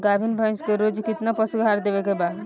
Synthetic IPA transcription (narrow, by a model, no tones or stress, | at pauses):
ɡabʱinbʱə̃jnskeɾod͡ʒkit̪napəsuɡɦaɾd̪ebekebad